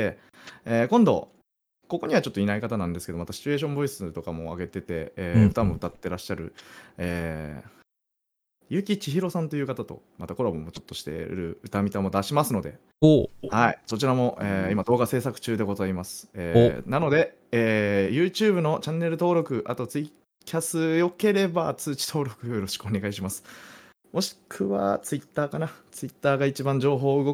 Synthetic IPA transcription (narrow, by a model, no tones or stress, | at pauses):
e | eːkõ̞nd̪o̞̰ | ko̞ko̞ɲ̟iβat͡ɕo̞t̪ːoinaikat̪anãnd̪esɨ̥ked̪o̞mat̪aɕi̥t͡ɕɨe̞ːɕ̬õ̞mbo̞isɨt̪o̞kamo̞a̰ɡe̞t̪e̞t̪e̞ːɯ̟t̪amo̞ɯ̟t̪at̪ːe̞ɾaɕːaɾɯ̟̰eː | jɯ̟kʲit͡ɕiçiɾo̞sãnt̪o̞jɯ̟ːkat̪at̪o̞̰mat̪ako̞ɾobo̞mo̞t͡ɕo̞̥t̪ːoɕi̥t̪ḛɾɯ̟̰ɯ̟t̪amʲit̪amo̞d̪aɕimasɨno̞d̪e̞ | haḭso̞t͡ɕiɾamo̞ʔeimad̪o̞ːɡase̞ːsakɯ̟̥t͡ɕɨːd̪e̞ɡo̞zaimasɨ̥ḛːnano̞d̪e̞ | eːjɯ̟ːt͡ɕɨːbɯ̟no̞t͡ɕãnːe̞ɾɯ̟t̪o̞ːɾo̞kɯ̟ʔa̰t̪o̞t͡sɨi | kʲʰasɨjo̞ke̞ɾe̞bat͡sɨːt͡ɕi̥t̪ʰo̞ːɾo̞kɯ̟jojoɾo̞ɕi̥kɯo̞ne̞ɡaiɕimasɨ̥ | mo̞ɕi̥kʰɯ̟βa̰t͡sɨit̪ːaːkanat͡sɨit̪ːaːɡait͡ɕibãɲ̟d͡ʑo̞ːɦo̞ːɯ̟ɡo̞k